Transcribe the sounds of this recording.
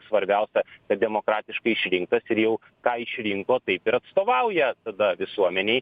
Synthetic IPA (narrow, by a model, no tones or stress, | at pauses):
sʋɐɾʲbʲɛʊsʲɛkɐt̪̚d̪ʲɛmoːkɾɑːt̪ʲɪʃkɐɪɪʃʲɾʲɪŋk̚t̪ɐsɪɾjɛʊ | kɑːɪʃʲɾʲɪŋkoːt̪ɐɪpɪɾɐt̪st̪oːʋɐʊjɛt̪ɐd̪ɐʋʲɪsuɔmʲɛnʲeː